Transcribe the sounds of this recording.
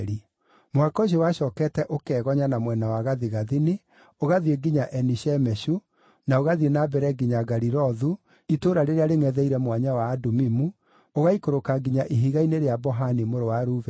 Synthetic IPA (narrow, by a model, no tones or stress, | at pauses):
ɾi | mowakɔɕ̬ewaʃɔːkɛtɛʔokɛːɣɔɲanamwɛnawaɣaðiɣaðini | oɣaðieɡiɲaʔɛniʃɛmɛɕu | naoɣaðienabɛɾɛɡiɲaɡaɾiɾɔðu | itoːɾaɾeɾeaɾeŋɛðɛiɾɛmwaɲawaːdomimu | oɣaikoɾokaɡiɲaʔiɦiɣaineɾeabɔɦanimoɾowaɾuvɛ